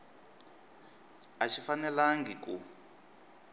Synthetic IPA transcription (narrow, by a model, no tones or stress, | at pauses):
at͡ʃʰifanɛlaŋɡiku